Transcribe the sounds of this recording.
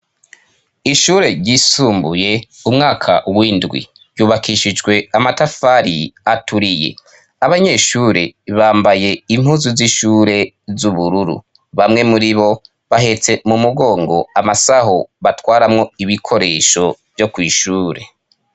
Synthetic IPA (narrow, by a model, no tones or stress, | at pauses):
iʃuːɾe̞ɾɟisuːmbuje̞umŋaːkʰa̰wiːndɡwḭ | ɾɟuːβakʰiʃid͡ʒɡwe̞amatafaɾḭatuɾije̞̰ | aβaɲe̞ːʃuːɾe̞̰βaːmbaje̞im̥huːzuziʃuːɾe̞ | zuβuɾuɾṵ | βamŋe̞muɾiβo̞ | βaɦe̞t͡se̞mumuɡo̞ːŋɡo̞amasaɦoβatwaːɾamŋo̞iβikʰo̞ɾe̞ːʃo̞vjo̞kwiːʃuːɾe̞̰